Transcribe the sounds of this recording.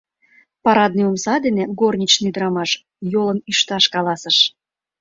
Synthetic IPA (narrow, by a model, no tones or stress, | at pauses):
pɑɾɑd̪̚niomsɑd̪enĕɡornʲit͡ɕnid̪əɾɑmɑʃ | jolənyʃt̪ɑʃkɑlɑsə̆ʃ